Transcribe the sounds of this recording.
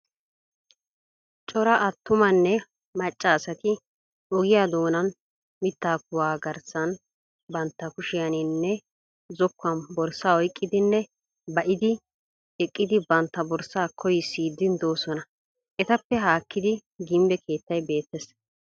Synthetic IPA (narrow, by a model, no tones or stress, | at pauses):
t͡ʃʼɔɾɐʔɐt̪ːʊmɐnːɛ | mɐt͡ʃʼːɐːsɐt̪ɪ | ɔɡɪjaːd̪o̞ːnɐn | mɪt̪ːaːkʊwaːɡɐɾsɐn | bɐnt̪ːɐkʊʃɪjɐnɪnːɛ | zɔkːɐnbɔɾsaːɔjkʼːɪd̪ɪnːɛ | bɐʔɪd̪ɪ | ɛkʼːɪd̪ɪbɐnt̪ːɐbɔɾsaːkʰɔjɪsiːd̪ːɪnd̪o̞ːsɔnɐ | ʔɛt̪ɐpːɛɦaːkːɪd̪ɪɡɪmbɛkʰe̞ːt̪ːɐjbe̞ːt̪ːɛs